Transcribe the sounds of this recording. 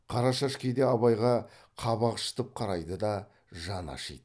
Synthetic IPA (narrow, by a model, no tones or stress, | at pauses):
qʰɑɾɑʃɑʃkʲʰejd̪eɑβɑjʁɑ | qʰɑβɑqʃə̥t̪əp̚qʰɑɾɑjd̪əd̪ɑ | ʒɑnɑ̰ʃḭjd̪ə